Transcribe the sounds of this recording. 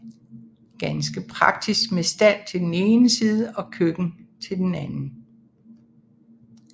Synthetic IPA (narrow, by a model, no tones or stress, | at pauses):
ɡ̥ænsɡ̥əpʰʁɑ̈ɡ̥̚d̥isɡ̥mesd̥æl̰t͡sʰe̝ld̥ene̝ːnəsiːð̞ˠəʔɒ̽kʰøɡ̥n̩t͡sʰe̝ld̥enænn̩